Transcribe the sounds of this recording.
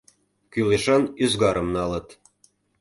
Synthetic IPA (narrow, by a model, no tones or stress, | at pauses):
kyleʃɑnyzɣɑɾəmnɑlə̆t̪